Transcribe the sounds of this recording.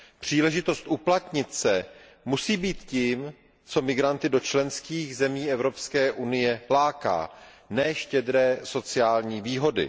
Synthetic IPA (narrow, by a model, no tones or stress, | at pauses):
pr̝̥iːlɛʒɪt̪o̞st̪ʔuplat̪ɲɪt̪sɛ | musiːbiːt̪ciːm | t͡so̞mɪɡɾant̪ɪdo̞t͡ʃlɛnskiːxzɛmiːɛvɾo̞pskɛːʔunɪjɛlaːka̰ː | nɛːʃcɛd̪ɾɛːso̞t͡sɪaːlɲiːviːɦo̞dɪ̰